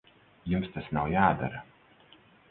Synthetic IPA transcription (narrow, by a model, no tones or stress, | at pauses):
jumst̪asnawjaːd̪a̰ɾɐ